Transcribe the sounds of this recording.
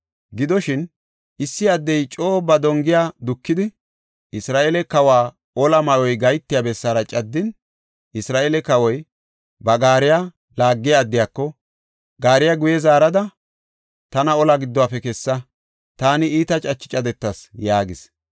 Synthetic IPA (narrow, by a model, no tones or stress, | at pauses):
ɡɪd̪ɔʃɪn | ʔɪsːɪɐd̪ːɛjt͡ʃʼo̞ːbɐd̪ɔŋɡɪjad̪ʊkːɪd̪ɪ | ʔɪsɾaːʔeːlɛkɐwaː | ʔɔlɐmɐjɔjɡɐjt̪ːɪjaːbɛsːaːɾɐt͡ʃʼɐd̪ːɪn | ʔɪsɾaːʔeːlɛkɐwɔj | bɐɡaːɾɪja | laːɡːɪjaːd̪ːɪjaːkːɔ | ɡaːɾɪjaɡʊjɛzaːɾɐd̪ɐ | t̪ɐnɐɔlɐɡɪd̪ːɔwaːpɛkɛsːɐ | t̪aːnɪiːt̪ɐt͡ʃʼɐt͡ʃːɪ̥t͡ʃʼɐd̪ɛt̪ːɐsjaːɡɪs